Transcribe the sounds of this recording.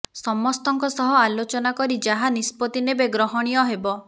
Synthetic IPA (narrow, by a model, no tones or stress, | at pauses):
sɔmɔst̪ɔŋkɔsɔɦɔalot͡ʃɔnakɔɾid͡ʒaɦanispɔt̪inebeɡɾɔɦɔɽ̃ijɔɦebɔ